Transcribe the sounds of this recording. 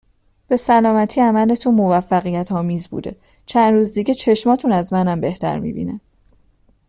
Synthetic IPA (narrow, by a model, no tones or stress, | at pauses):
b̥e̞sælɒːmæt̪ʰiæmæle̞t̪ʰunmo̞væfːæɣijæt̪ʰɒːmiːzbṵːd̪e̞̰ | t͡ʃʰænd̪ɾuːzd̪iːɟe̞t͡ʃʰe̞ʃmɒːt̪ʰunæzmænæmbe̞ht̪ʰæ̰ɾmḭbḭnæ